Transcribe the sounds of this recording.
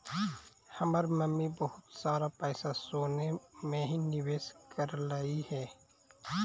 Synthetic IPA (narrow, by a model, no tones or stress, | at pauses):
hɐmaɾməmːibəɦʊt̪saːɾapɛːsasoːnemẽɦinɪʋeːskəɾlaːihɛː